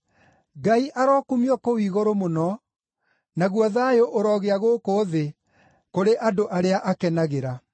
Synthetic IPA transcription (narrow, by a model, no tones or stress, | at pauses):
ɡaiʔaɾɔkumiɔkowiːɣoɾomonɔ | naɣwɔðajoʔoɾɔɣeaɣokoːðe | koɾeʔadoʔaɾeaʔakɛnaɣeɾa